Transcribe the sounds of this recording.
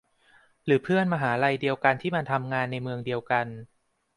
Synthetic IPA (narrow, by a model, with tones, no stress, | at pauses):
ɾɯː˩˦pʰɯ˥˩ənmaː˧ɦaː˩˦ɾa˧jdi˧əwka˧nt̪ʰiː˥˩ma˧nt̪ʰa˧mŋaː˧nːa˧jmɯ˧əŋdi˧əwka˧n